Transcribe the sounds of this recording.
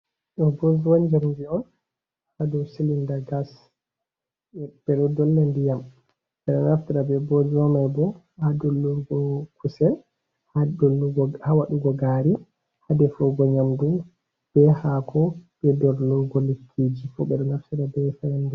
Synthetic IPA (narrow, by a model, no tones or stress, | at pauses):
ɗɔbɔd͡ʒwand͡ʒaɾndiɔn | hadɔsilindaɡas | b̥ɛɗɔdɔlːandijam | ɓɛɗɔnaftiɾabɛbɔd͡ʒwamajbɔ | hadɔluɾɡɔkʰusɛl | haɔhawaɗuɡɔɡaɾi | hadɛfɔɡɔɲamdum | b̥ɛhakʰɔbɛdɔɾluɡɔlikʰːid͡ʒifɔ̰ɓɛɗɔnaftiɾabɛfajandi